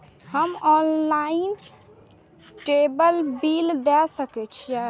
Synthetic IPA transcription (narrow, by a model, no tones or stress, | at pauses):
həmɔːnlaːin | ʈeːbəlbiːld̪ɛsəkɛt͡ʃʰja